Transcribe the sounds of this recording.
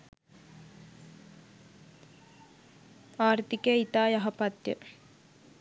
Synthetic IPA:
aːrt̪ikeit̪aːjɐɦɐpɐt̪jə̰

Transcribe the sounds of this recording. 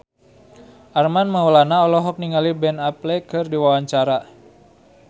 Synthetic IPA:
ʔarmanməwəlanaɔlɔɦɔk̚niŋalibɛnaplɛkɨrdiwawaɲt͡ʃaɾa

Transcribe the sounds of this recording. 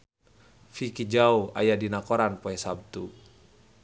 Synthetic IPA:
fikid͡ʒaua̰jadinakɔɾanpɔɛsab̚t̪u

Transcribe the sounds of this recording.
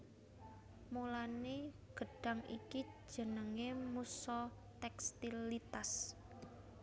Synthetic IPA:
mulaneɡ̥ə̤ɖ̥a̤ŋḭki̥ʒ̥ə̤nəŋemusɔ | t̪ɛkst̪ilit̪as

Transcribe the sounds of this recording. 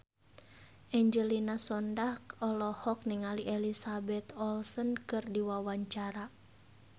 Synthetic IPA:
ʔɛɲd͡ʒəlinasɔndahkɔlɔhɔk̚niŋaliʔɛlisabɛt̪ɔlsɔnkɨrdiwawaɲt͡ʃaɾa

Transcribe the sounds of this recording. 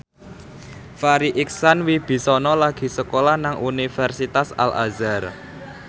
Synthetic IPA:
faɾiʔiksanwib̥i̤sɔnɔlaɡ̥i̤səkolahnaŋʔunifɛrsit̪asa̰lʔa̰zar

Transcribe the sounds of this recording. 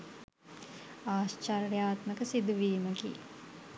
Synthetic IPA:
aːst͡ʃɐɾjaːt̪məkəsid̪uʋiːməkḭ

